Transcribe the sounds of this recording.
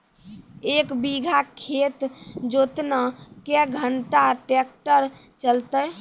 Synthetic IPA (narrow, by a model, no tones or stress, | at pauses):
ekbiɡʱakʰet̪d͡ʒot̪nəkeɡʱəɳʈaʈek̚ʈəɾ | t͡ʃəlt̪əj